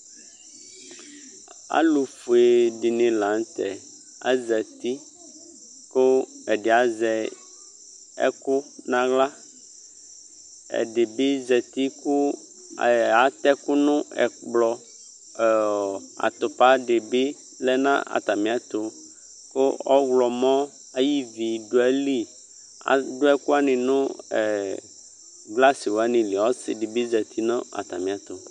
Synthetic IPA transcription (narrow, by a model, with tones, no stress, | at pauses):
a̰˦lu˨fu˨e˨ɖi˨nĩ˨lã˨ŋ˦t̪ɛ˨ | a̰˦zɛ˨t̪i˦ | ko˦ɛ˨ɖe˨a˨zɛ˨ | ɛ̰˦ku˦nã˦ɣla˦ | ɛ̰˨ɖe˨bi˦zɛ˨t̪i˦ku˦˨ | a˨t̪ɛ˦ku˦nũ˦ɛ̰˨k͡plɔ˨ | a̰˨t̪ʊ˨pa˦ɖɪ˨bɪ˦ | lɛ˦nã̰˦a̰˨t̪a˨mĩ˨˦a˨t̪ʊ˨ | kʊ˦ɔ˦ɣlɔ˨mɔ̃˦ | a˦ji˦vi˨ɖʊ˨ɛ˦li˦ | a̰˨dʊ˦ɛ˦kʊ˦a˦nɪ̃˨nʊ̃˦ɛ˨ | ɡla˦sɪ˨wo˨a˦nɪ̃˨li˨ɔ˦sɪ̰˨ɖɪ˨bɪ˦zɛ˨t̪ʰi˦nã˦a̰˨t̪a˨mĩ˨a˨t̪ʊ˨